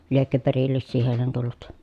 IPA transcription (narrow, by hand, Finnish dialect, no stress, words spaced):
liekːø perilːisːiː heˑilen tulːut